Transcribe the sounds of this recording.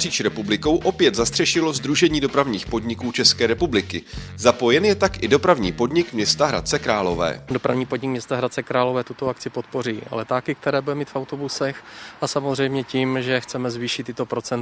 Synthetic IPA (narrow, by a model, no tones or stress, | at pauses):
r̥iːʃɾɛpublɪko̞wʔo̞pjɛt̪zast̪r̥ɛʃɪlo̞zd̪ɾuʒɛɲiːdo̞pɾavɲiːxpo̞dɲɪkuːt͡ʃɛskɛːɾɛpublɪkɪzapo̞jɛnjɛt̪akʔɪdo̞pɾavɲiːpo̞dɲɪkmɲɛst̪aɦɾa̰t̪̚t͡sɛkɾaːlo̞vɛ̰ːdo̞pɾa̰vɲiːpo̞dɲɪk̚mɲɛst̪aɦɾat̪t͡sɛkɾaːlo̞vɛːt̪ut̪o̞ak̚t͡sɪpo̞t̪̚po̞riːʔa̰lɛt̪aːkɪk̚t̪ɛɾɛːbudɛmiːt̪fawt̪obusɛxʔasamozrɛjmɲɛciːmʒɛxt͡sɛmɛzviːʃɪt̪ːɪt̪opɾo̞t͡sɛn